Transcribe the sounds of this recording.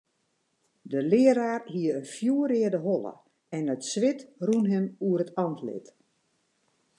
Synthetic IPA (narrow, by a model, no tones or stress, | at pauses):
dəlɪəɾaːrɦiəənfjuəɾɪːədəɦɔlˠə̰ | ɛnətsʋɪtrunɦɪmuərətɑntlɪ̰t